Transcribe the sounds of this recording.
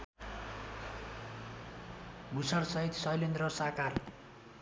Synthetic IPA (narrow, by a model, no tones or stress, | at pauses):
busʌɽsʌit̪sʌjlend̪ɾʌsakar